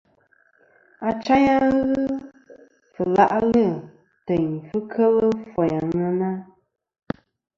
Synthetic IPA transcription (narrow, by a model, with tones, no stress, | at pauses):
a˨t͡ʃa˦ɲa˦ɣɨ˦ | fɨ˨la̰˦ʔlɨ˦˨ | tə˨ɲfɨ˦kʰə˦lə˦fɔ˨ɲa˨ŋɨ˦na˦